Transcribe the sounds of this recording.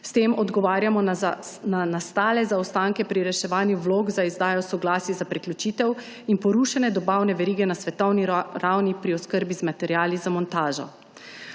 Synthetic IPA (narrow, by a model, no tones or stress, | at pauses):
st̪eːmɔd̪ɡɔʋaːɾjamɔnanast̪aːlɛzaɔst̪aŋkɛpɾiɾɛʃɛʋaːnjuʋloːɡzaizd̪aːjɔsɔɡlaːsjɛzapɾɛklʲjut͡ʃiːt̪ɛw | inpɔɾuːʃanɛd̪ɔbawnɛʋɛɾiːɡɛnasʋɛt̪ɔwniɾawnipɾiɔskəɾbizmat̪ɛɾjaːlizamɔnt̪aːʒɔ̰